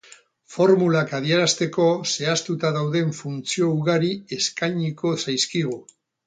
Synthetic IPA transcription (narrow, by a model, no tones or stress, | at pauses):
fo̞ɾmulakað̞ieɾast̪e̞ko̞se̞ast̪ut̪aðawðe̞ɱfunt͡sio̞uɣaɾie̞skajɲiko̞sajskiɣ̞u